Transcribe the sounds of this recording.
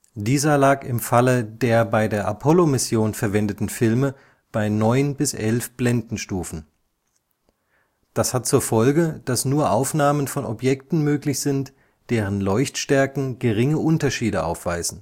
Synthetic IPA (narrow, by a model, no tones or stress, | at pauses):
d̥iːzɐlaːkɪmfalədeːɐbaɪdeːɐʔapʰɔlomɪsjoːnfɛɐvɛndətn̩fɪlmə | b̥aɪnɔʏnbɪsʔɛlfb̥lɛndn̩ʃtuːfn̩ | d̥ashat̚t͡suːɐfɔlɡəd̥asnuːɐʔaʊfnaːmənfɔnɔ̰pjɛktn̩møːklɪçz̥ɪnt | d̥eːʁ̞ənlɔʏçtʃtɛɐkŋ̩ɡəʁɪŋəʔʊntɐʃiːdəʔa̰ʊfv̥aɪzn̩